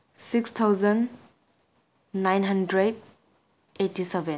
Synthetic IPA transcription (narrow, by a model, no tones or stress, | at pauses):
sikst̪ʰawzən | ajnɦandɾed | etːisebɛn